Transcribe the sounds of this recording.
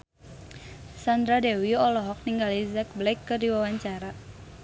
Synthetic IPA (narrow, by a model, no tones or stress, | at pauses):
sand̪ɾadewiɔlɔɦɔk̚niŋɡalizak̚blajkːədiwawaɲt͡ʃaɾa